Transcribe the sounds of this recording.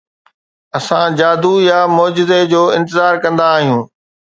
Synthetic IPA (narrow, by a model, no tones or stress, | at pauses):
ɐsãd͡ʑaːd̪ujamɔːd͡ʑɪzed͡ʑoːɪ̃nt̪ɪzaːɾkɐ̃nd̪aːɦijũː